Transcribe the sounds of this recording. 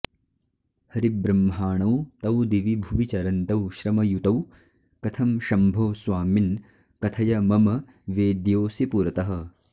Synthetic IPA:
hɐɾibɾɐmːɦaːɳɐwt̪ɐwd̪iʋibʱuʋit͡ʃɐɾɐnt̪ɐwʃɾɐmɐjut̪ɐw | kɐt̪ʰɐmʃɐmbʱoːsʋaːmin | kɐt̪ʰɐjɐmɐmɐ | ʋeːd̪joːsipuɾɐt̪ɐɦɐ̆

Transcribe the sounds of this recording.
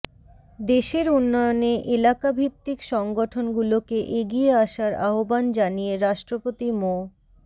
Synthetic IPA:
d̪eʃeɾunːɔjoneʔelakabʱit̪ːikʃɔŋɡoʈʰonɡulokeʔeɡieaʃaɾaɦoband͡ʑanijeɾaʃʈɾopot̪imo

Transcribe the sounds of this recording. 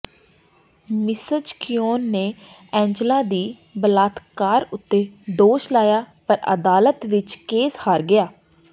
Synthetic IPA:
mɪsəd͡ʒkɪjoːnːeː | ɛ̃ːɲd͡ʒlaːd̪iː | bəlaːt̪kaːɾʊt̪ːeːd̪oːʃlaːjaːpəɾə̰d̪aːlət̪ʋɪt͡ʃkeːshaːɾɡɪjaː

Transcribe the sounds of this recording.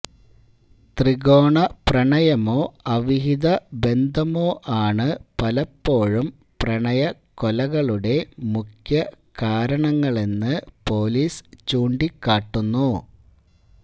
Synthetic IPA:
t̪riɣo̞ːɳɐprɐɳɐjɐmo̞ːɐʋiɦid̪ɐbe̞nd̪ʱɐmo̞ːʔaːɳɨpɐlɐpːo̞ːɻum | prɐɳɐjɐ | kolɐɣɐɭuɽe̞mukʰjɐ | kaːɾɐɳɐŋːɐɭe̞nːɨpo̞ːliːst͡ɕuːɳɖikːaːʈːunːu

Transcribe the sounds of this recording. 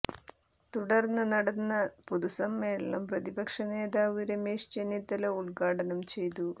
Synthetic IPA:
t̪uɽɐrnːɨnɐɽɐnːɐpuðusɐmːeːɭɐɐmprɐðibɐkʂɐne̞ːd̪aːʋuɾemeːʂt͡ɕenit̪ːɐlɐuɭɡaːɽɐnɐmt͡ɕe̞jt̪̬u

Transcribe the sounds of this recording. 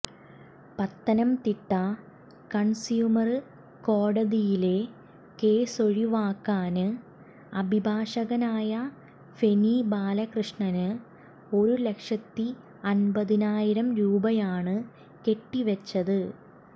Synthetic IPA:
pɐt̪ːɐnɐmt̪iʈːɐ | kɐɳsjuːmɐrɨ | ko̞ːɽɐðijile̞ | ke̞ːso̞ɻiʋaːkːaːnɨ | ɐbʱibʱaːʂɐɣɐnaːjɐ | fe̞niːbaːlɐkrɨʂɳɐnɨ | o̞ɾule̞kʂɐt̪ːi | ɐnbɐðinaːjiɾɐmɾuːbɐjaːɳɨ | ke̞ʈːiʋɐt͡ɕːɐðɨ

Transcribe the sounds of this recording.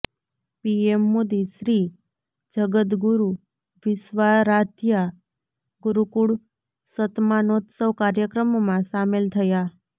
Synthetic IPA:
piemːod̪iʃɾi | d͡ʒəɡət̪̬ɡuɾu | ʋɪsʋaɾat̪ja | ɡuɾukuɽ | sət̪manot̪səʋkaɾjəkɾəmomãsamelt̪ʰəja

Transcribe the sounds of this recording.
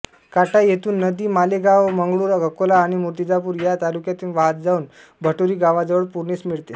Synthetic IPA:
kaʈajet̪uːnːəd̪iːmaleɡaʋməŋɡɭuːɾəɡʱəkolaːɽ̃imuɾt̪id͡zapuːɾjat̪alukjat̪iːnʋaɦət̪̚d͡zauːn | bʱəʈoɾiːɡaʋad͡zəʋəɭpuɾnismiɭt̪e

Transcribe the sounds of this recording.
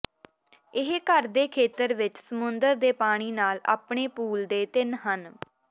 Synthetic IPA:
ɪɦkəɾd̪eːkʰeːt̪əɾʋɪt͡ʃsəmʊnd̪əɾd̪eːpaːɽ̃iːnaːla̰ːpɳeːpuːld̪eːt̪ɪnɦən

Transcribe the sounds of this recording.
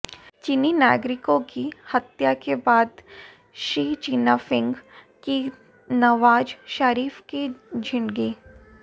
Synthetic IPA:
t͡ʃininaːɡɾɪkõkihɐt̪jakebaːd̪ | ʃɾiːt͡ʃiːnafɪ̃ŋɡ | ki | nɐʋaːd͡ʒʃaɾiːfkid͡ʒʱɪnɡiː

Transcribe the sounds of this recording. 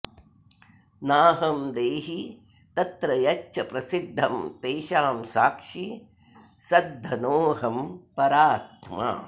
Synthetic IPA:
naːɦɐmd̪eːɦi | t̪ɐt̪ɾɐjɐʃʰɐpɾɐsid̪ʱːɐmt̪eːʃaːmsaːkʂi | sɐd̪ʱːɐnoːɦɐmpɐɾaːt̪ma̰ː

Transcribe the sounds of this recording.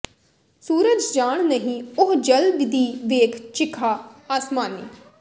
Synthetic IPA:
suːɾəd͡ʒd͡ʒaːɳ̃nəɦĩːʊɦd͡ʒəlbd̪iːʋeːkʰt͡ʃɪkʰːaːaːsmaːnḭː

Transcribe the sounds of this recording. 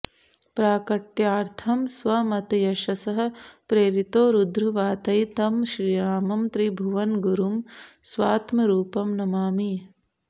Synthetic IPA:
pɾaːkɐʈjaːɾt̪ʰɐmsʋɐmɐt̪jɐʃɐsɐɦɐ̆pɾeːɾit̪oːɾud̪ɾuʋaːt̪ɐjt̪ɐmʃɾiːɾaːmɐmt̪ɾibʱuʋɐnɡuɾumsʋaːt̪mɐɾuːpɐmnɐmaːmi

